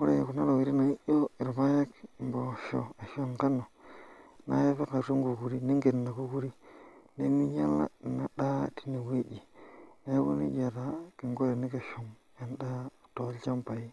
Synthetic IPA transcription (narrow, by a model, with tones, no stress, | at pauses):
ku˦ɾḛ˨je˨ku˨na˦la˨wi˨ɾi˦na˨i˦ʔo˦i˨ɾba˦je˦kmbo˨ʃo̰˨e˨ʃo˦˨ŋka˦no˨ | na̰˦je˦fe˦ka˨ɾo˦ŋɡu˨ku˨ɾi˦ni˦ŋɡe˨nːa˨ku˦ku˦ɾi˦ne˦mi˦ɲa˦la̰˦˨na˨ɗa˦ti̥˨ni˨we˦d͡ʒi˨ne˦kṵ˦nḭ˦d͡ʒa˨ta˨ki˨ŋɡo˦ɾe˨ni˦ke˨ʃu˨ŋ | ja˨nda˦˨to˨˦lt͡ʃa˦mpa˨ji˦